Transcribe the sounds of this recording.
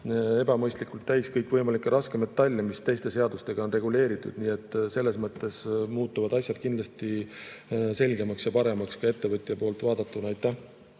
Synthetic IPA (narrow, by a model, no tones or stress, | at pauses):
e̞bɑmɤjst̪likːˑult̪ːæjskɤjkːˑvɤjmɑlikːˑeɾʔɑskemet̪ːɑlʲːimist̪e̞jst̪e̞se̞ɑd̪̥ust̪e̞ɡ̥ɑo̞nre̞ɡ̥ule̞ːɾit̪ˑːud̪̥niːe̞t̪ːˑse̞lːe̞smɤt̪ːe̞smuːt̪ːˑuvɑd̪ɑsʲjɑd̪̚kind̪lɑst̪i | se̞lʲɡe̞mɑksjɑpɑɾe̞mɑkskɑe̞t̪ːe̞vɤt̪ʲːˑijɑpo̞ːlt̪vɑːd̪̥ɑt̪ːˑunɑjt̪ːˑæh